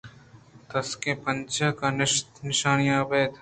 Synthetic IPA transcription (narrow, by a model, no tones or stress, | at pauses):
t̪ɐskẽːpənt͡ʃəkaːnɪʃt̪nɪʃaːnjãːbeːd̪